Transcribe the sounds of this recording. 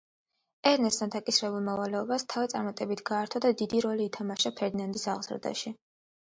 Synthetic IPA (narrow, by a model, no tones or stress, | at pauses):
ɛɾnɛst̪ʰand̪akʼisɾɛbulˠmɔvalɛɔbast̪ʰavit̪sʼaɾmat̪ʼɛbit̪ʰɡaːɾt̪ʰɔd̪ad̪id̪iɾɔliːt̪ʰamaʃapʰɛɾd̪inand̪isaʁzɾd̪a̰ʃi